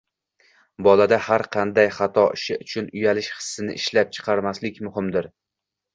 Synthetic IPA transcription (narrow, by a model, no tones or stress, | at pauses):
bɒlˠad̪ahaɾqʰɑnd̪ajχɑt̪ʰɒʔɪʃɪʊt͡ʃʰʊnʊjalɪʃχɨ̥sːɪnɪ̰ʔɪʃlap̚t͡ʃʰɨ̥qʰɑɾmaslɪkʲmʊhɪmd̪ɪɾ